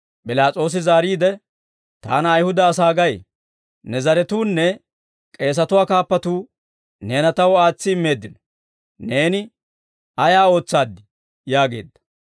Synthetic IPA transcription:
pʼɪlaːt͡sʼo̞ːs̬ɪzaːɾiːd̪ɛ | t̪a̰ːnɐːjhʊd̪ɐːs̬aːɡɐj | nɛzɐɾɛt̪uːnːɛ | kʼe̞ːs̬ɐt̪ʊwaːkaːpːɐt̪uː | ne̞ːnɐt̪ɐwaːt͡sːɪɪmːe̞ːd̪ːɪnɔ | ne̞ːnɪ | ɐjaːo̞ːt͡sːaːd̪ːɪ | jaːɡe̞̰ːd̪ːɐ̥

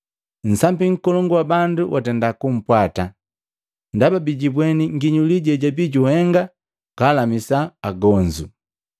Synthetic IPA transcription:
n̩sambiŋ̩kɔlɔŋɡɔwabanduwʔa̰tɛndakum̩pwata | ndababiɟibwɛniŋɡiɲuliɟɛɟabiɟuhɛŋɡa | kaːlamisaːɡɔɲd͡ʒu

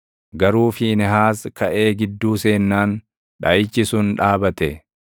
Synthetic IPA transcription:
ɡɐɾuːfɪnɛɦaːskʰɐʔe̞ːɡɪd̪ːuːse̞ːnːaːn | ᶑɐjɪt͡ʃːɪsʊnᶑaːbɐt̪ɛ

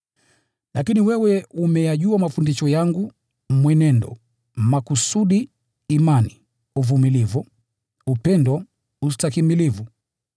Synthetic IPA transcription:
lakiniwɛwɛumɛjaʄuamafundiʃɔjaŋɡu | mwɛnɛndɔ̰ | makusuɗiː | mani | uvumilivu | upɛndɔ | ustakimilivu

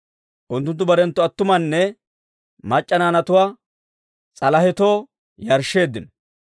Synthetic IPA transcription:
ʔʊnt̪ːʊnt̪̬ːʊbɐɾɛnt̪ːʊɐt̪ːʊmɐnːɛ | mɐt͡ʃʼːɐnaːnɐt̪ʊwaː | t͡sʼɐlɐhɛt̪o̞ː | jɐɾʃːe̞ːd̪ːɪnɔ

